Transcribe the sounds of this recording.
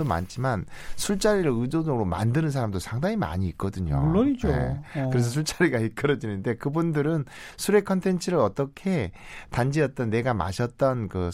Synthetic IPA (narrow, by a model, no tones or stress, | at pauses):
oma̰nt͡ɕʰimansʰuɭt͡ɕ͈aɾiɾɯɭɯdod͡ʑʌɡɯɾoma̰ndɯnɯns̬ʰaɾamdosʰaŋdaŋima̰ɲiːk̚k͈ʌdɯɲo̰uɭːʌid͡ʑoḛkɯɾe̞s̬ʰʌs̬ʰuɭt͡ɕ͈aɾiɡaik͈ɯɾʌd͡ʑinɯnde̞kɯbundɯɾɯnsʰuɾe̞kʰʌntʰe̞nt͡ɕʰɯɾɯɾʌt͈ʌkʰe̞tand͡ʑiʌt̚t͈ʌnːe̞ɡama̰ɕʰʌt̚t͈ʌnkɯ